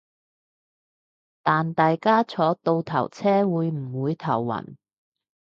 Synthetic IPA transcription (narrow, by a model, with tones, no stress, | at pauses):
t̪aː˨nt̪aː˨jkaː˥t͡sʰɔː˨˥t̪o˧wt̪ʰɐ˨˩wt͡sʰɛː˥wuː˨˧jm̩˨˩wuː˨˧jt̪ʰɐ˨˩wːɐ̰˨˩n